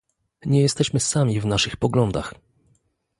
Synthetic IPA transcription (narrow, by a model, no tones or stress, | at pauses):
ɲɛjɛst̪ɛɕmɘsamʲivnaʂɘxpɔɡlɔnd̪a̰x